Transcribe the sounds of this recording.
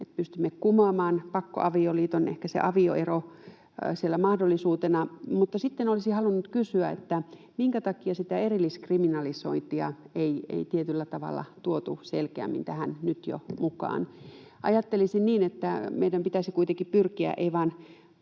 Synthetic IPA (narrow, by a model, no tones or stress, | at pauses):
et̪̚pyst̪imːekkumɑːmɑːnpɑkːo̰ʔɑʋioliːt̪onḛhkæsḛʔɑʋio̰ʔero | sielːæmɑhdolːˑisuːt̪enɑmut̪ːɑsit̪ːenolisihɑlunːut̪kysyæḛt̪ːæ | miŋkæt̪ɑkiɑsit̪æerilːiskriminɑliso̰int̪iɑ̰eiḛit̪iet̪ylːæt̪ɑʋɑ̰lːɑ̰t̪uot̪uselkeæ̰mːint̪æhænnyt̪jo̰mukɑ̰ːn | ʔɑ̰jɑt̪ːelisinniːnet̪ːæmeijdæmpit̪æsikuit̪eŋkippyrkiæ̰ʔḛiʋɑːn